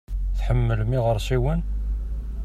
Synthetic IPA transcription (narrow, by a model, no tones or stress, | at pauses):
θħəmːəlmiʁəɾˤsiwən